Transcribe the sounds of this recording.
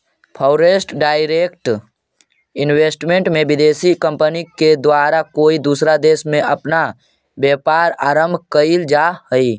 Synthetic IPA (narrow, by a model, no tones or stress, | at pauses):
pʰɔʊɾeːsʈɖaːɪɾekʈ | ɪnweːsʈmẽɳʈmẽbɪd̪eːsikə̃mpəniked̪waːɾakoːid̪uːsɾad̪eːsmẽʔɐpna | bjeːpaːɾaːɾə̃mbʱkəild͡ʒaɦəi